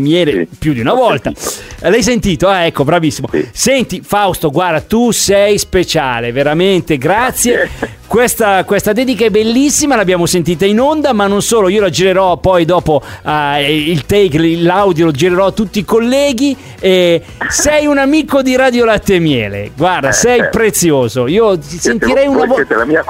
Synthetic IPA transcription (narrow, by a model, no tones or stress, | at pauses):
mjɛːlepjud̪iunavɔlt̪alajs̬ent̪iːt̪oaɛkːobɾavisːimosɛnt̪ifawst̪oɡwaɾd̪at̪usɛjspet͡ʃaːleveɾament̪eɡɾat̪sːje | kwest̪akwest̪ad̪ɛːd̪ikaɛbelːisːimalabjaːmosent̪̬iːt̪̬ainond̪amanːonsoːloiːolad͡ʒiɾeɾɔpɔjd̪ɔːpoailt̪ɛkilawd̪jolod͡ʒiɾeɾɔat̪ːut̪ːiːkolːɛːɡi | e | sɛjunamiːkod̪iɾaːd̪jolat̪ːemjɛ̰ːlḛɡward̪asɛjpɾet̪sːjoːzoiːot̪isent̪iɾɛjunavt̪lamia